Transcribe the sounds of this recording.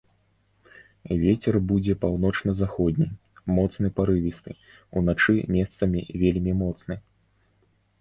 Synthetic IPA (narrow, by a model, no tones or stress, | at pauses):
vʲet͡sʲɛrbud͡zʲɛpawn̪ɔt͡ʂnɐzaxɔd̪ʲnʲi | mɔt̪snɨpaɾɨvʲist̪ɨ | ṵnat͡ʂɨmʲɛst̪sɐmʲḭvʲelʲmʲimɔt̪snɨ